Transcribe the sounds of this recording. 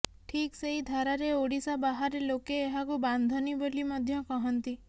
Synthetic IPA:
ʈʰikseɦid̪ʱaɾaɾeoɽisabaɦaɾelokeːɦakuband̪ʱɔnibɔlimɔd̪ʱjɔkɔɦɔnt̪i

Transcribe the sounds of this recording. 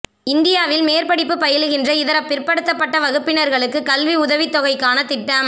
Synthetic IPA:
ɪnd̪ɪjaːʋɪlmeːɾpɐɽɪpːɯpɐjɐɭɯɣɪndrɐɪðɐɾɐpːɪrpɐɽɯt̪ːɐpːɐʈːɐʋɐɣɯpːɪnɐɾɣɐɭɯkːɯkɐlʋiʊðɐʋɪt̪ːɔɣɐɪkːaːnɐt̪ːɪʈːɐm

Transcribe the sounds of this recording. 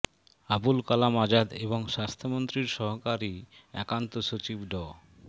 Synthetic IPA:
abulkalamad͡ʑad̪eboŋʃast̪ʰomont̪ɾiɾʃɔɦokaɾiɛ̰kant̪oʃot͡ɕibɖɔ

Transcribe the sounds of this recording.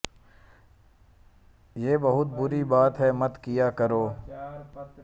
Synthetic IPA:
jeːbɐɦʊt̪̚bʊɾibaːt̪ɦɛmɐt̪kijakɐɾoː

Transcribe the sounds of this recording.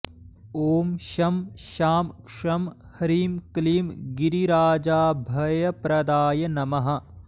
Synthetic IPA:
oːmʃɐmʃaːmkʂɐm | hɐɾiːmkliːmɡiɾiɾaːd͡ʒaːbʱɐjɐpɾɐd̪aːjɐnɐmɐɦɐ̆

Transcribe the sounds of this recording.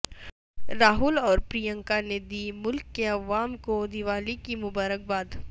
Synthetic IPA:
ɾaːɦʊlɔːɾpɾiːjə̃ŋkaned̪iːmʊlkːeɐʋaːmkod̪iʋaːlikimʊbaːɾək̚baːd̪

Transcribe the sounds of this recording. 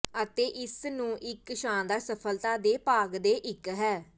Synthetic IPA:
ət̪eːʔɪsnũːʔɪkʃãːnd̪aːɾsəpʰəlt̪aːd̪eːpaːɡd̪eːʔɪkɦɛː

